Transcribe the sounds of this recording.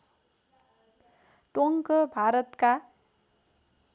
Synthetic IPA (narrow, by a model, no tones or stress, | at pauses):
ʈoŋkʌbʱaɾʌt̪ka